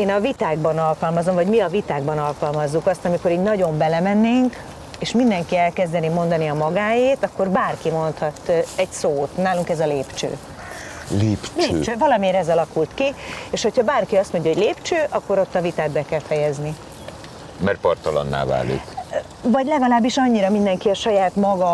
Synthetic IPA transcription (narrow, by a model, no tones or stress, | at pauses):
eːnɒvit̪aːɡ̚bɒnɒlkɒlmɒzo̞ɱvɒɟmiɒvit̪aːɡ̚bɒnɒlkɒlmɒzːukɒst̪ɒmiko̞ɾiːɟnɒɟo̞mbɛlɛmɛnːeːŋk | eːʃmind̪ɛŋkiɛlkɛzd̪ɛnimo̞nd̪ɒniɒmɒɡaːjeːt̪ɒkːo̞rbaːrkimo̞nt̪hɒt̪ɛɟsoːt̪naːluŋkɛzɒleːpt͡ʃø̰ː | leːpleːpøt͡ʃøːvɒlɒmeːɾɛzɒlɒkult̪kieːʃho̞cʰhɒbaːrkiɒst̪mo̞ɲɟɒɦoɟleːpt͡ʃøːʔɒkːo̞ɾo̞t̪ːɒvit̪aːd̪bɛkɛlfɛjɛzni | mɛrpɒrt̪ɒlɔ̰nːa̰ːva̰ːlḭk | vɒɟlɛɡɒlaːbːiʃɒɲːiɾɒmind̪ɛŋkiɒʃɒjaːt̪mɒɡɒ